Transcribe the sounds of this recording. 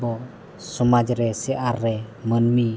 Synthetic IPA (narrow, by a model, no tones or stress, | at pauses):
bɔ | sumad͡ʒɾesiʔaɾemənmi